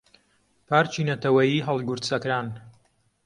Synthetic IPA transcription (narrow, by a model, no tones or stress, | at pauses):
pʰaːɾt͡ʃinɐt̪ʰɐwɐjiːɦɐlˠɡuɾt̪sɐkɾaːn